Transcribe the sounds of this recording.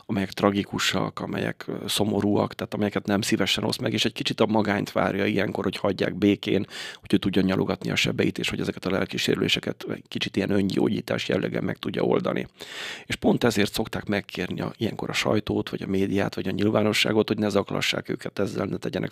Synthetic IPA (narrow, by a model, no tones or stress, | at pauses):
ɒmɛjɛkt̪rɒɡikuʃɒkɒmɛjɛ̰kso̞mo̞ɾuːɒkt̪ɛːt̪ɒmɛjɛkɛt̪nɛmsivɛʃɛno̞smɛɡeːʃɛc̚kit͡ʃit̪ɒmɒɡaːnt̪ʋa̰ːrjɒijɛŋko̞rhochɒɟːa̰ːɡbeːkeːnhoɟøːt̪uɟːɒɲɒlʔo̞ɡɒt̪niɒʃɛbɛjit̪eːʃho̞ɟɛzɛkɛ̥t̪ɒlɛlkiʃeːɾylʔeːʃɛkɛt̪ɛɟkit͡ʃit̪ijɛnøɲɟo̰ːɟiːt̪aːʃjɛlːɛɡɛ̰mɛk̚t̪uɟːɒ̰o̞̰ld̪ɒnḭeːʃpo̞nt̪ɛzeːrt̪so̞kt̪aːkmɛkːʰeːrniɒijɛŋko̞ɾɒʃɒ̰jt̪oːt̪ʋɒɟɒmeːd̪ijaːt̪ʋɒɟɒɲilvaːno̞ʃːa̰ːɡo̞t̪ho̞ɟnɛzɒklɒ̰ʃːa̰ːkø̰ːkɛt̪ɛzːɛlnɛt̪ɛɟɛnɛ̰k